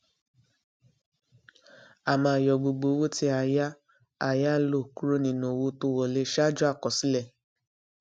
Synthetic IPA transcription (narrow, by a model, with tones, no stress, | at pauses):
a˨mã˧˨jɔ˨ɡ͡bo˨ɡ͡bo˨˦wo˦ti˧a˧ja˦ | a˧˨ja˦lo˦˨ku˦ɾo˦nĩ˧˨nõ˨wo˧˦to˧˦wɔ˨le˧˦ʃa˦d͡ʒɔ˦a˦˨kɔ˨si˦lɛ˦˨